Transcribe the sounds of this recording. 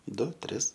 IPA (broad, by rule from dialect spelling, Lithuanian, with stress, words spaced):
ˈdʊ ˈtʲrʲɪs